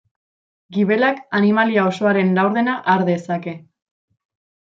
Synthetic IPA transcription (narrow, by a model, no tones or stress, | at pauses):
ɡiβe̞lakanimaliao̞so̞aɾe̞nlawɾðe̞naʔaɾðe̞sake̞